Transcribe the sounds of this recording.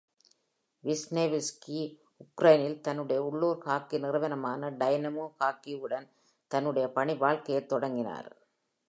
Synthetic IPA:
ʋɪsneːʋɪski | ʊkɾɐjɪnɪlt̪ɐnːɯɽɐjɐʊɭːuːɾkaːkːinɪrɯʋɐnɐmaːnɐɖɐjnɐmoːkaːkːiɯɽɐn | t̪ɐnːɯɽɐjɐpɐɳiʋaːɭkɐjɐɪt̪ːɔɽɐŋɡɪna̰ːɾ

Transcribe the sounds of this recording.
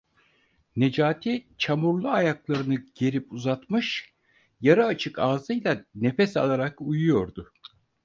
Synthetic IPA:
ne̞d͡ʒaːt̪ʰit͡ʃʰamuɾlˠuajaklˠaɾɯnɯɟ̥e̞ɾipuzat̪mɯʃ | jaɾaːt͡ʃʰɯkaːzɯjlˠane̞fɛsa̰lˠaɾakujujo̞ɾd̪ʊ

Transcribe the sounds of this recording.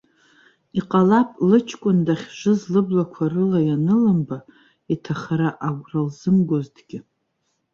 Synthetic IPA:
iqʼalapʼlɨt͡ʃʰkʷʼʊndaχʲʒʷɨzlɨblakʷʰarɨlajanɨlɨmba | itʰaχaɾaʔaɡʷralzɨmɡʷozdɡʲɪ

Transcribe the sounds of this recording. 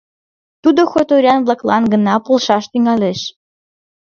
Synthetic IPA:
t̪ud̪oxot̪oɾʲɑnβlɑklɑnɡə̆nɑpolˠʃɑʃt̪yŋɑleʃ

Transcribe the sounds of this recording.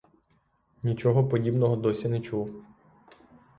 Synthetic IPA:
nʲit͡ʃɔɦɔpɔdʲibnɔɦɔd̪ɔsʲinɛt͡ʃuw

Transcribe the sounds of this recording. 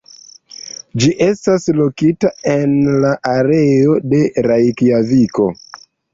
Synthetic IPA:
d͡ʒiʔe̞staslokitaenlaʔaɾeo̞de̞ɾajkiaviko̞

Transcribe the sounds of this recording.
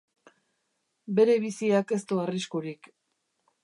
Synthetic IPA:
be̞ɾe̞β̞isiake̞st̪uariskuɾik

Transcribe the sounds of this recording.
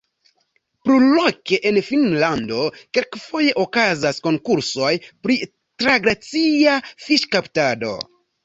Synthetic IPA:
pɾulokeʔenfinlando̞kelkfo̞je̞ʔokazasko̞ŋkuɾso̞jpɾi | tɾaɡɾat͡siafiʃkaptado̞̰

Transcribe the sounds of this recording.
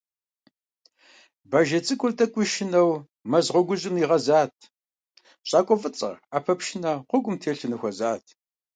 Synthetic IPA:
baːʒɐt͡sʼɨkʷʼʊrtʰʼɐkʷʼʊʃɪnɐw | mɐzʁʷɔɡʷʊʑɪmiʁɐzaːtʰ | ɕʼɑːkʷʼɔfʼɨt͡sʼɐ̰aːpʰɐpʃɪnɐqʷʊɡʷʼʊmtʰeːɬɨnɨxʷɔzaːtʰ

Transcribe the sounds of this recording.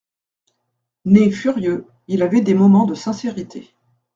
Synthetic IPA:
nefyʁjø | ilavɛd̪emɔmɑ̃d̪əsɛ̃seʁit̪ʰe

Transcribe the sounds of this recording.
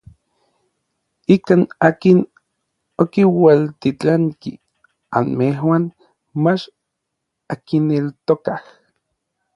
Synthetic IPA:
ikaːnaːkin | okiwalt̪it͡ɬaŋki | a̰nmeɦwan | mat͡ʃ | akinelt̪okah

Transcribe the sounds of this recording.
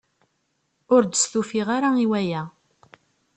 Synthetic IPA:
ʊɾd̪əsθufiʁaɾaiwæjæ

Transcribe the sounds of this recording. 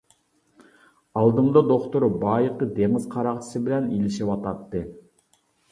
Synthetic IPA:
ɑlˠd̪ɨɴd̪ɑd̪oχt̪oɾbɑːjəqːəd̪eŋɪzqʰɑɾɑqt͡ʃʰɨ̥sɨbɪlɛnilɪʃiwɑt̪ɑt̪ːɨ

